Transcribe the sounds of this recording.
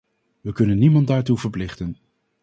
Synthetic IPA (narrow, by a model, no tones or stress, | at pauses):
ʋəkɵnənːimɑndaːɹtuvəɹplɪχtən